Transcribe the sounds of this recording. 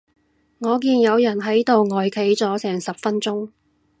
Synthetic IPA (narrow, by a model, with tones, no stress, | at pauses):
ŋɔː˨˧k̬iː˧njɐ˨˧wjɐ˨˩nɦɐ˨˥jt̪o˨wŋɔː˨jkʰe˨˥jt͡sɔː˨˥sɛː˨˩ŋsɐ˨p̚fɐ˥nt͡sʊ˥ŋ